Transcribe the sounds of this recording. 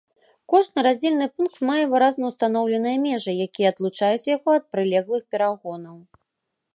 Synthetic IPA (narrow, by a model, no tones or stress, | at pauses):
kɔʐnɨɾazʲd͡zʲelʲnɨpunk̚t̪majɛvɨɾaznɐwst̪anɔwlʲɛnɨjɐmʲɛʐɨjakʲijɛːd̪lˠut͡ʂajut͡sʲjaɣɔɐt̪̚pɾɨlʲɛɣlˠɨxpʲɛɾaɣɔnɐw